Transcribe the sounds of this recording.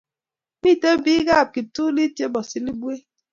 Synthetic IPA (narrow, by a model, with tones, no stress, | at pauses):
mi˦˨te˦biː˦ɡa˦˨p̚ki˨tu˦li˦tje˦bɔ˨si˨li˦bwe˦